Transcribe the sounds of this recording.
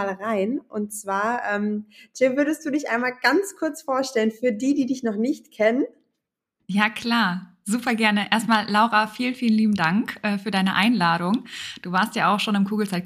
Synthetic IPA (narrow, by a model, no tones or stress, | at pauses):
alʁaɪnʔʊntt͡sv̥aːɐʔɛːmd͡ʒ̥ɪvʏɐdəst̚d̥uːdɪçʔaɪnmaːlɡ̥ant͡skʰʊɐt͡sfoːɐʃtɛlənfyːɐdiːdiːdɪçnɔχnɪçtkʰɛnən | jaːkʰl̥aːɐ | zuːpɐɡɛɐnəʔeːɐstmaːllaʊʁafiːlənfiːlənliːbm̩daŋkʔɛːfyːɐdaɪnəʔaɪnlaːɾʊŋd̥uːvaːɐstjaːʔaʊxʃoːnɪmkʰuːɡl̩t͡sa